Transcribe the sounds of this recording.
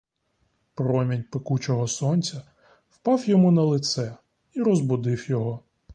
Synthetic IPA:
pɾɔmʲinʲpekut͡ʃɔɦɔsɔnʲt͡sʲɐ | wpɑwjɔmunɐlˠɪt̪sɛ | iɾɔzbʊd̪ɪwjɔɦɔ

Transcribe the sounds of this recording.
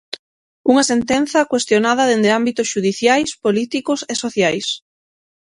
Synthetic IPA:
uŋɐsent̪enθɐkwest̪jonað̞ɐðend̪eambit̪ʊsʃuðiθjajspolit̪ikʊsesoθjajs

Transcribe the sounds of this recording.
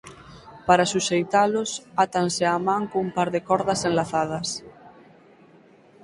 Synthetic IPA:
paɾasuʃejt̪alosat̪anseamãŋkoumpaɾðekɔɾðasẽnlaθað̞as

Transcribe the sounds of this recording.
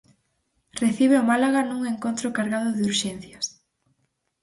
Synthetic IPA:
reθiβ̞eomalaɣanuŋeŋkont̪ɾokaɾɣaðʊðɪuɾʃɛn̟θjɐs

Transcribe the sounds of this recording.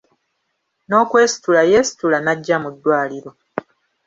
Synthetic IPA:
no̞ːkwe̞ːsi̥tulaje̞si̥tulanaɟːamudːwaːliɾo̞

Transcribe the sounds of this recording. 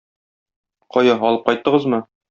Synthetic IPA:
qɒjɑɦɒlˠɤp̚qɒjt̪ːɤ̆ʁɤzmɤ

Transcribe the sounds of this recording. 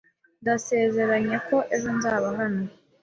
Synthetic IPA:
ndase̞ːze̞ɾaɲe̞ko̞ʔezonzaːβaɦana

